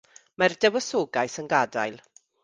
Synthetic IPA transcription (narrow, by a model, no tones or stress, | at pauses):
mardɛwəsoːɡajsənɡada̰jlˠ